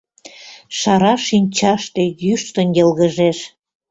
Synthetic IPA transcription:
ʃɑɾɑʃinʲt͡ɕɑʃt̪e̽jyʃt̪ənjəlɣəʒeʃ

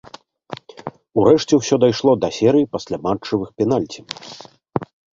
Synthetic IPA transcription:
uɾɛʂt͡sʲɛwsʲɔd̪ajʂlˠɔd̪ɐsʲɛɾɨjipɐsʲlʲamat͡ʂːɐvɨxpʲɛn̪alʲt͡sʲi

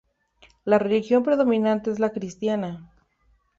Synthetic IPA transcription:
lare̞lixjo̞mpɾe̞ðo̞mĩnãnt̪e̞ezlakɾist̪jana

